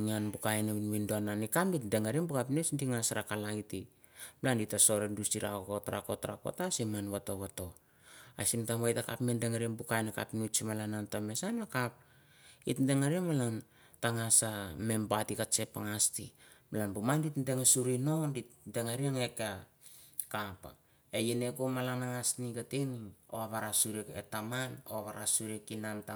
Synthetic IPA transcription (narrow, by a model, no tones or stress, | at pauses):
ŋanbukajnainβindoananikamitdeŋaɾenbukapnut͡ʃndiŋasɾakalaiti | blanditaso̞ɾendusiɾakokotɾa̰kotaɾa̰ko̰tasimanβato̞βato̞ | asimtamβajtaka̰pmendeŋaɾienbukajnaka̰pnut͡ʃimalanantame̞sanakap̚ | itnde̞ŋaɾieŋmalan | taŋasame̞mbatikat͡ʃe̞paŋastimalanbumanditndeŋasuɾinonditndeŋaɾieŋeka | kapa | ejene̞komalanaŋasniɡateno̰aβaɾasuɾieketamanoaβaɾasuɾiekinanta